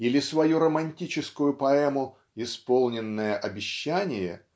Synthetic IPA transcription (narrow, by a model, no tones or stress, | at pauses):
ilʲɪsvɐjuɾəmɐnʲtʲit͡ɕɪskʊjʊpɐɛmʊ | ɪspolˠnʲɪnːəjəʔɐbʲɪɕːænʲɪjə̰